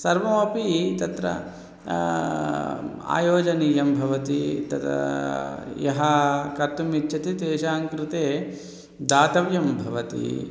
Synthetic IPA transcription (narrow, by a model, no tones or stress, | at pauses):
sɐɾʋɐmɐpit̪ɐt̪ɾɐ̰ | a̰ːjoːd͡ʒɐniːjɐmbʱɐʋɐt̪it̪ɐt̪ | jɐɦɐkɐt̪umit͡ʃt͡ʃɐt̪it̪eːʃaːŋkɾɪt̪eː | d̪aːt̪ɐʋjɐmbʱɐʋɐt̪ḭ